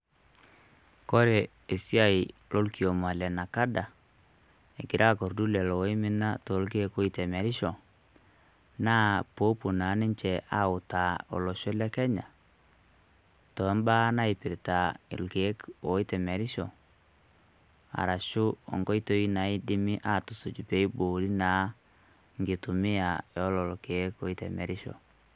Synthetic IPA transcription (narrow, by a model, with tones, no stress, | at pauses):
kɔ˦ɾɛ˨ | e˨si˦a˨ilɔ˦lki˨o˨ma˨lɛ˨na˨ka˦da˨ | ɛ˨kɪ˨ɾʔa˦˨kɔ˨ɾdu˦lɛ˨lɔ˨wi˦mɪ˦na˦tɔ˨˦lke˦ko˦i˨tɛ˨mɛ˨ɾɪ˦ʃɔ˨ | na˦po˦pu˨na˨˦nɪ˦t͡ʃɛ˨a̰˦˨ʊ˨ta˨ɔ̰˨lɔ˨ʃɔ˦lɛ˦kɛ˦ɲa˨ | tɔ˨˦mba˦na˦ɪ˨pɪ˨ɾta˨ɪ̰˨lke˨˦ko˨˦i˦tɛ˨mɛ˨ɾɪ˦ʃɔ˨ | a̰˨ɾa˨ʃʊ˦ɔ̰˨ŋɡɔ˦i˦to˦i˦na˨˦i˦dɪ˦mɪ˦ʔa˦˨tu˨su˨d͡ʒu˨pe˦i˦bo˨ɾi˦naː˨˦ | ŋɡe˨tu˨mɪ˦a˨jɔ˨˦lɔ˨lke˨˦ko˦i˦tɛ̰˨mɛ̰˨ɾɪ˦ʃɔ̰˨